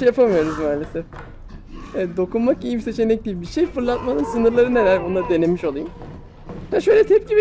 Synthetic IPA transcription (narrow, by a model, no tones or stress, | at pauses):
ejapʰamɯjo̞ɾuzmaːlʲe̞sɛf | d̪o̞kunmakijimset͡ʃʰenɛc̚d̪iibiʃejfɯɾlˠat̪manɯnsɯnɯɾlˠaɾɯneɾæɾbond̪ad̪e̞ne̞miʃolˠajum | aʃø̞jlʲɛt̪ʰɛp̚ɟibi